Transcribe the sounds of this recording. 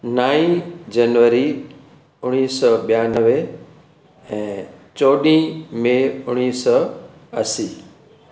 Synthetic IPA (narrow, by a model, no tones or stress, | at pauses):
naːĩd͡ʑənʋəɾi | ʊɽ̃iːsɔɓijanəʋe | ɛ̃ːt͡ɕoːɗĩmẽʊɽ̃iːsɔ | əsiː